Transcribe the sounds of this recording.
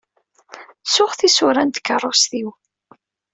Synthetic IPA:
sʊχθisʊɾænd̪kːərˤːosθiw

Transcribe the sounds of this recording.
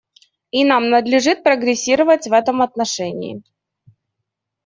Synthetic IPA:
inamnəd̪lʲɪʐɨt̪̚pɾəɡɾʲɪsʲːiɾəvətʲvɛt̪əmɐt̪nɐʂɛnʲɪ̰ːɪ̰

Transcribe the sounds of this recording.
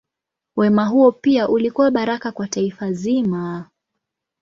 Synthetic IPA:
wɛmaɦuɔpiaʔulikuwaɓaɾakakwataifazima

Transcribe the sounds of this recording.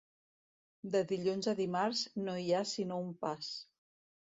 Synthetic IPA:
d̪əðiʎunzəðimaɾznoiasinoumpas

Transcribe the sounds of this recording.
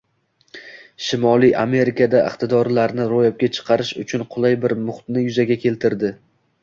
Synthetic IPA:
ʃɪmɒlˠijʔame̞ɾɪkʰad̪aʔɪ̰qt̪ɪd̪ɒɾlaɾnɪɾojap̚kʲat͡ʃʰɨ̥qʰɑɾɪʃʊ̰t͡ʃʰʊnqʰʊlˠajbɪɾmʊχt̪nɪjʊzaɡʲakʲʰe̞lt̪ʰɪɾd̪ɪ

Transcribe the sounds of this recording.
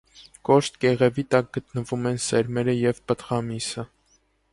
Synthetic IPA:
kɔʃt̪̚ɡɛʁɛvit̪ɑk̚ɡət̪nəvumɛnsɛɾmɛɾəjɛvpət̪ʁɑmisə

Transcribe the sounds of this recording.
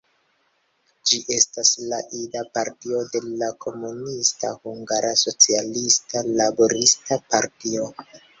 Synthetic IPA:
d͡ʒiʔe̞staslaʔidapaɾtio̞de̞lakʰo̞munista̰huŋɡaɾaso̞t͡sialistalabo̞ɾistapaɾtio̞

